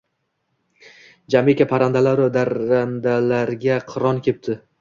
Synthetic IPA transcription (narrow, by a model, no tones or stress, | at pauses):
d͡ʒamekʲapʰaɾand̪alaɾɪd̪aɾand̪alaɾɡʲaqʰɨɾɒnkʲʰep̚t̪ʰɪ